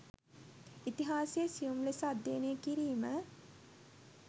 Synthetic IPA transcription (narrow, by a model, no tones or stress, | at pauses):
it̪iɦaːsejəsijumlesad̪ːeːnekiɾiːmə